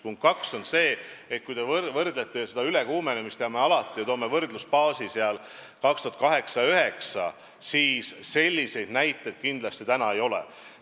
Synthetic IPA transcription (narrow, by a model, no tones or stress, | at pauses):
puŋk̪kɑkso̞nse̞ːet̪̚kujd̪e̞vvɤrd̪̥let̪ːˑese̞d̪ɑylekuːmenemist̪eɑmeɑlɑt̪ːˑijɑt̪oːme̞vɤrd̪̥luspɑːsiseɑl | kɑkst̪uɦɑt̪̚kɑɦe̞ksɑøɦe̞ksɑ̰ | siːsse̞lʲːise̞jd̪̥næjt̪ːˑejd̪̥̚kind̪lɑst̪it̪ænɑe̞jo̞lḛ